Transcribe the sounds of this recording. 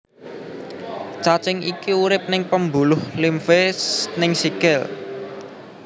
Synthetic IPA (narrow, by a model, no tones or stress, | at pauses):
t͡ʃat͡ʃɪŋikiuɾɪp̚nɪŋpəmbulʊhlimfesnɪŋsikɛl